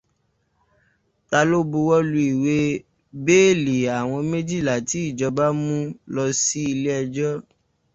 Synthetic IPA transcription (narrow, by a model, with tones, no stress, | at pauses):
ta˧lo˦bu˧wɔ˦lu˧i˨we˦ | be˦˨li˨a˨w̃ɔ̃˧me˦d͡ʒi˦˨la˨ti˨˦i˦˨d͡ʒɔ˧ba˦mũ˦lɔ˧si˦i˧le˦ɛ˧d͡ʒɔ˦